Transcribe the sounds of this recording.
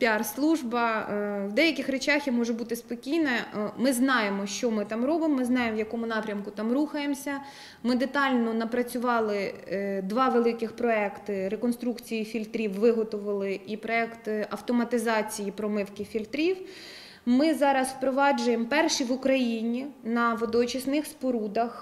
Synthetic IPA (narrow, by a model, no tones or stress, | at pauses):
pʲɑrslˠuʒbɐwd̪ɛjɐkʲɪxɾet͡ʃɑxjimɔʒɛbut̪ɪspɔkʲijnɐmɪznɑjemɔʃt͡ʃɔmɪt̪ɑmɾɔbɪmɔmɪznɑjemʋjɐkɔmʊnɑpɾʲɐmkʊt̪ɑmɾuxɐjemsʲɐ | mɪd̪et̪ɑlʲnɔnɐpɾɐt͡sʲʊʋɑlˠɪd̪ʋɑʋelˠɪkɪxpɾɔɛkt̪ɪɾekɔnst̪ɾukt͡sʲijifʲilʲt̪ɾʲiwːɪɦɔt̪ʊʋɐlˠɪʔipɾɔɛkt̪ɐwt̪ɔmɐt̪ɪzɑt͡sʲijipɾɔmɪwkɪfʲilʲt̪ɾʲiw | mɪzɑɾɐswpɾɔʋɑd͡ʒʊjempɛrʃiʋʊkɾɐjinʲinɐʋɔd̪ɔt͡ʃɪsnɪxspɔɾud̪ɐx